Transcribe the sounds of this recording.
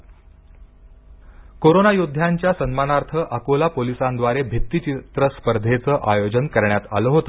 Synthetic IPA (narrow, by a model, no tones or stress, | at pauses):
koɾonajud̪ʱːjaɲt͡ɕjasənmanaɾt̪ʰəʔəkolapolisand̪ʋaɾebʱit̪ːit͡ɕit̪ɾəspəɾd̪ʱet͡səʔajod͡ʑənkəɾɳjat̪a̰ləːɦot̪ə